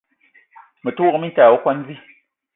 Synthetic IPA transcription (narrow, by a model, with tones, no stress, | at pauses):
mə˨tu˦ɣə˨mi˦n˦ta˨wo˦kwa˦n˦zi˦